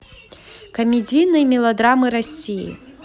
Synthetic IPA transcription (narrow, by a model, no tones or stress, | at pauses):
kɐmʲid͡zʲijnɐjmʲilˠɐd̪ɾamɨɾasʲijḭ